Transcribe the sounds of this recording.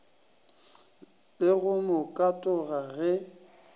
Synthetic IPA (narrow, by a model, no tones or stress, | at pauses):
lɪɣʊmʊkʼatʼɔɣaɣɛ